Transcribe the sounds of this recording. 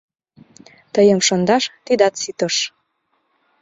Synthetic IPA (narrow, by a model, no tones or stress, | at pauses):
t̪əjəmʃɤnd̪ɑʃt̪id̪ɑt̪sit̪ə̆ʃ